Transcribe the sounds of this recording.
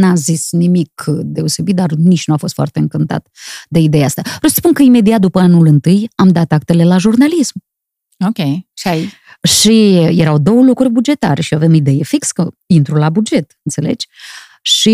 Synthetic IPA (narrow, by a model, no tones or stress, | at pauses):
nazisnimikd̪e̞o̞se̞bit̪̚d̪arnit͡ʃnuafo̞st̪foa̰t̪e̞ɨŋkɨnt̪a̰t̪d̪e̞id̪e̞jaast̪avɾewsəspunkəime̞d̪iat̪̚d̪upəanulɨnt̪ɨjamd̪at̪ak̚t̪e̞le̞laʒurnalism | okʲeja | ʃijeɾawd̪o̞wəlukɾurʲbud͡ʒe̞t̪a̰ɾeʃioave̞mid̪e̞jefikskəint̪ɾulabud͡ʒe̞t̪ɨnt̪se̞le̞̰d͡ʒʲ | ʃi